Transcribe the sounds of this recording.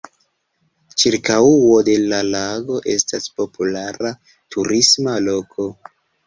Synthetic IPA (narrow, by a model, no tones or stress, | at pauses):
t͡ʃiɾkauo̞de̞lalaɡo̞ʔe̞̰staspo̞pulaɾa | tʰuɾismalo̞kʰo̞